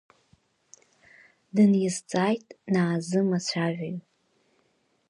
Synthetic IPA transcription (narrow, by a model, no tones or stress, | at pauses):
dɨnjɪzt͡sʼajtʼnaːzɨmat͡ɕʷʰaʒʷᶣaj